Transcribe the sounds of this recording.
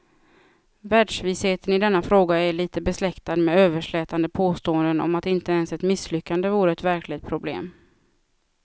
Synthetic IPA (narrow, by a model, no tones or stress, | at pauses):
væːɖʂvɪsheːt̪ənɪd̪ɛnːafɾoːɡaæɭiːt̪əbɛslɛkt̪ad̪mɛøːvəʂɭɛːt̪and̪əpʰoːst̪oːənd̪ənɔ̰mat̪ɪnt̪əɛnsɛt̪mɪslʏkːand̪əvuːɾəɛt̪væɾklɪt̪̚pʰɾʊblḛːm